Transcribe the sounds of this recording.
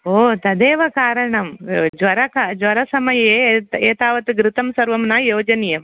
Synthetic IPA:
oːt̪ɐd̪eːʋɐkaːɾɐɳɐmd͡ʒʋɐɾɐkad͡ʒʋɐɾɐsɐmɐjɐeːeːt̪aːʋɐt̪iɡɾɪt̪ɐmsɐɾʋɐmnaːjoːd͡ʒɐnijɐm

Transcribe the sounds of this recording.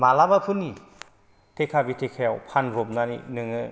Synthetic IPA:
malabapʰɯni | tʰekʰabitʰekʰajawpʰanɾomnanḭnɯŋɯ

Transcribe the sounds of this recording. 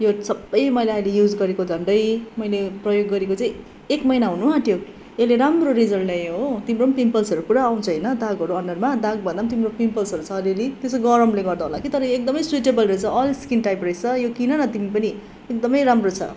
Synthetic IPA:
josʌbːʌjmʌjleʌjlejud͡zɡʌɾekod͡zʱʌɳɖʌjmʌjleprʌjoɡːʌɾekot͡saj̃ | ekmʌjnaɦunuɦat̪jo | eleɾamroɾid͡zʌllajot̪imɾopimpʌlsʌɾupuɾaːw̃t͡sʰʌʌjnʌd̪aɡʌɾuʌnɖʌrmad̪aɡ̚bʌnd̪amt̪imropimpʌlsʌɾut͡sʰʌːliʌlit̪esoɡʌɾʌmleɡʌrd̪aɦolakit̪ʌɾʌjek̚d̪ʌmʌjswiʈebʌlret͡sʰʌʌlskinʈajprʌjsʰʌjokinʌnʌt̪imipʌni | ek̚d̪ʌmʌjɾamrot͡sʰʌ̰

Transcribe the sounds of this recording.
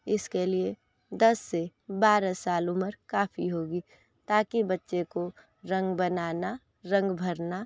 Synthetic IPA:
ɪskelie | d̪ɐsːebaːɾasaːlʊməɾkaːpʰiɦoːɡi | t̪aːkibɐtːʃeko | ɾə̃ŋɡbənaːna | ɾə̃ŋɡbʱəɾna

